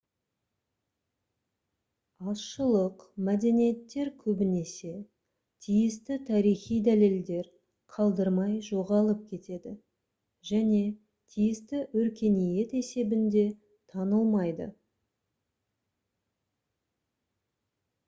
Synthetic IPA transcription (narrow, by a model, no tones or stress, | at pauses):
ɑsʃəlˠəqmæd̪e̞nije̞t̪ːe̞ɾkʲʰɵbɪne̞se̞ | t̪ʰijɪst̪ɪt̪ʰɑɾijχijd̪æle̞ld̪e̞ɾ | qʰɑlˠd̪əɾmɑjʒo̞ʁɑlˠəp̚kʲʰe̞t̪e̞d̪ɪ | ʒæne̞ | t̪ʰijɪst̪ɪʔɵɾkʲe̞nije̞t̪e̞se̞bɪnd̪e̞ | t̪ʰɑnəlˠmɑjd̪ə̰